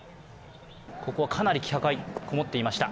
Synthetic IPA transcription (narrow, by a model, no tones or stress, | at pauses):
ko̞ko̞βakʰanaɾʲikʲi̥hakaikʰomo̞t̪ːe̞imaɕi̥t̪a